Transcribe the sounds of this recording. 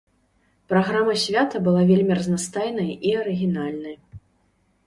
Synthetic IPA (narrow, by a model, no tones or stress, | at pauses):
pɾaɣɾamɐsʲvʲat̪ɐbɨlˠavʲelʲmʲirɐznast̪ajnɐjʔiɐɾɨɣʲinalʲnɐj